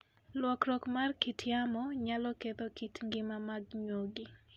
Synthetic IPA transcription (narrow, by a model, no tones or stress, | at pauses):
lwɔkɾɔkmarkitʰjamɔɲalɔket̪okitŋɡɪmamaɡɲoɡɪ